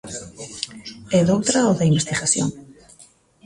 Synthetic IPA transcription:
ɛðowt̪ɾaoðaimbest̪iɣaθjo̰ŋ

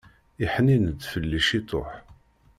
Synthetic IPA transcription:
iħninəd̪fəlːiʃit̪ˤo̰ħ

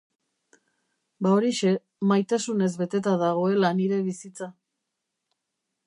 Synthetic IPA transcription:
bao̞ɾiʃe̞ | majt̪asune̞zβe̞t̪e̞t̪aðaɣ̞o̞e̞laniɾe̞βisit͡sa

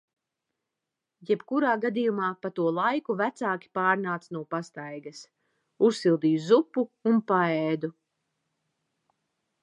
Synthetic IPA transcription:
jɛb̥kuɾaːɡad̪ijumaːpat̪uɔlˠajkuvæt̪saːkʲi̥paːɾnaːt̪snuɔpast̪ajɡɐs | usːilˠd̪iːuzupːuunpaɛːd̪u

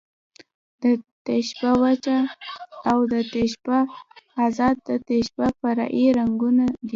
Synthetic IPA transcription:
d̪̥ət̪eʃbawat͡ʃaː | wd̪ət̪eʃbaː | zɑd̪̚d̪ət̪eʃbafaɾɑ̰ʔiɾaŋɡunad̪i

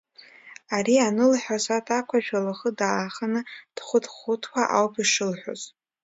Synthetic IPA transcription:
aɾianɨlħʷᶣasatʰʼakʷʰaʒᶣalaχədaːχənɨd̥χʷʊtʰχʊtʰkʷʰaʔawpʰiʂɨlħʷᶣo̰z

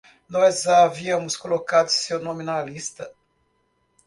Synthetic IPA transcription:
noɛzaviamuskolokat̪sionominalist̪ə

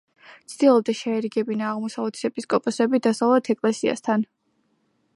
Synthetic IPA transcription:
t̪sʰd̪̥ilˠɔb̚d̪ɛʃɛɛɾiɡɛbinaːʁmɔsavlɛt̪ʰi̥sɛpʼiskʼɔpʼɔsɛbid̪asavlˠɛt̪ʰɛkʼlɛsia̰st̪ʰan

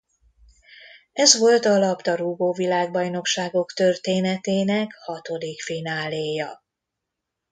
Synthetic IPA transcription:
ɛzʋo̞lt̪ɒlɒpt̪ɒɾuɡoːvilaːɡbɒjno̞kʃaːɡo̞kt̪ø̞rt̪eːnɛt̪eːnɛkhɒt̪o̞d̪ikfinaːleːjɒ

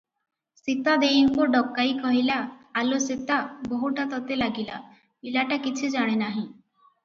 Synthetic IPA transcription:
sit̪ad̪ejiŋkuɖɔkːajkɔɦilaːlosit̪abɔɦuʈat̪ɔt̪elaɡila̰ | ilaʈakit͡ʃʰid͡ʒaɽ̃enaɦĩ

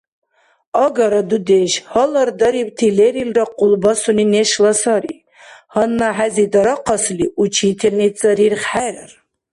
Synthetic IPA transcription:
ɑɡaɾad̪ud̪eʃhɐlɐrd̪ɐɾibt̪ʰileɾilraqʼulbasuninɛʃlasaɾi | hɐnːaħæzid̪aɾaqʰɑsliut͡ʃʰit̪ʰɛnit͡sʼɐɾirχħæɾar

